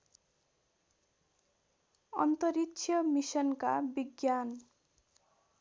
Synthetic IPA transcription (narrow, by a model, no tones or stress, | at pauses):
ʌ̰nt̪ʌɾitsʰjʌmisʌnka̰biɡjan